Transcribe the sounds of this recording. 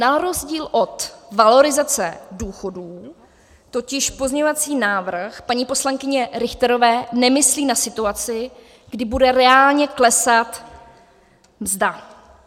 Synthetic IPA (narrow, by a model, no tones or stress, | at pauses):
naɾo̞zɟiːlʔo̞t̪valo̞ɾɪzat͡sɛ̰duːxo̞duː | t̪o̞cɪʃpo̞zɲɛɲovat͡siːnaːvr̩xpaɲiːpo̞slaŋkɪɲɛɾɪxt̪ɛɾo̞vɛːnɛmɪsliːnasɪt̪uat͡sɪ | ɡ̥dɪbudɛɾɛaːlɲɛklɛsat̪ | mzda